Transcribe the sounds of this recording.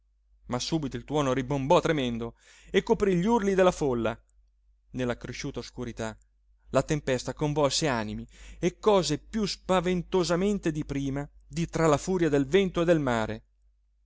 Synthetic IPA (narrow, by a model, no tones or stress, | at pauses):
masːuːbit̪oilt̪wɔːnoɾibombɔt̪ːɾemɛnd̪o | ekːopɾiʎurlid̪elːafolːa | nelːakɾeʃuːt̪aoskuɾit̪a | lat̪empɛst̪akoɱvɔlseanimiekːɔːzepjuspavent̪ozament̪ed̪ipɾiːmad̪it̪ɾalafuːɾjad̪elvɛnt̪oed̪elmaːɾḛ